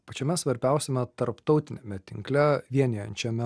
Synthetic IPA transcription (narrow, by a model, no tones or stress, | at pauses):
pɐt͡ʃʲɛmʲɛssʋɐɾʲbʲɛˑʊsʲɛmʲɛt̪ɐɾpt̪ɒʊt̪ʲɪnʲemʲɛt̪ʲɪŋklʲɛʋʲiɛnʲejɛnʲt͡ʃʲɛmʲɛ